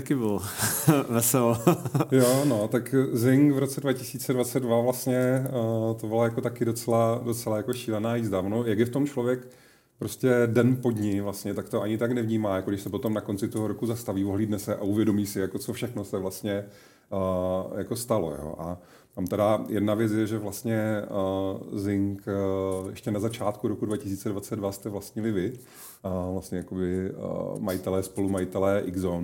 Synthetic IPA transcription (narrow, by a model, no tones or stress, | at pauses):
t̪akɪbɪl | vɛsɛljono̞t̪akzɪŋkvɾo̞t͡sɛdvacɪsiːt͡sɛdvat͡sɛd̚dvavlast̪ɲɛ | t̪obɪlajakot̪akɪdo̞t͡sɛlado̞t͡sɛlajako̞ʃiːlɛnaːjizdavonojɛɡdɪft̪omt͡ʃlo̞vjɛk | pɾo̞scɛdɛnpo̞dɲɪvlast̪ɲɛt̪akt̪oʔaɲɪt̪aknɛvɲiːmaːjakoɡdɪʃsɛpo̞t̪o̞mnako̞nt͡sɪt̪oɦoɾo̞kuzast̪aviːoɦliːdnɛsɛʔaʔuvjɛdo̞miːsɪjako̞t͡sofʃɛxno̞sɛvlast̪ɲɛ | jako̞st̪alo̞̰jo̰ːʔa | t̪amt̪ɛdajɛdnavjɛt͡s̬jɛʒɛvlast̪ɲɛ | zɪŋkjɛ̰ʃcɛnazat͡ʃaːt̪kuɾokudvacɪsiːt͡sɛdvat͡sɛd̪dvast̪ɛvlast̪ɲɪlɪvɪ | vlastɲɛjako̞bɪ̰majɪt̪ɛlɛːspo̞lumajɪt̪ɛlɛːʔɪɡzon